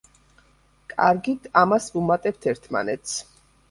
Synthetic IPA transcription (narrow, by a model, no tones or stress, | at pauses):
kʼaɾɡit̪ʰamasvumat̪ʼɛp̚t̪ʰɛɾt̪ʰma̰nɛt̪sʰ